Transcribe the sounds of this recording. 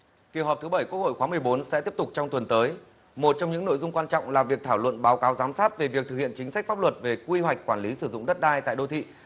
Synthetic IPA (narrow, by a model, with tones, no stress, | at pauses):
ki˧˩əwɦɔ˨˩t̪ɨ˨˦ɓə˧˩jkwk̚ho̰˧˨jxwaː˨˦m˨˩əjɓo˨˦nsɛ̰˧˥t̪i˦˥əp̚t̪ʊ˨˩k̚t͡ɕɔ˧wŋ͡mt̪wə˨˩nt̪əː˨˦j | mo˨˩t̚t͡ɕɔ˧wŋ͡mɲɨ̰˧˥ŋno̰˧˨jzʊ˧ŋ͡mkwaː˧nt͡ɕɔ̰˧˨wŋ͡mlaː˨˩vi˨˩ək̚t̪ʰaː˧˩wlwə̰˧˨nɓaː˨˦wkaː˨˦wzaː˨˦msaː˦˥t̚ve˨˩vi˨˩ək̚t̪ɨ˨˩k̚ḭ˧˨ənt͡ɕï˨˦ŋ̟sa˦˥k̟faː˦˥p̚lwə˨˩t̚ve˨˩kwi˧hwa˨˩k̟̚kwaː˧˩nli˨˦sɨ˧˩zʊ̰˧˨ŋ͡mɗə˦˥t̚ɗaː˧jt̪a̰ː˧˨jɗo˧t̪ʰḭ˧˨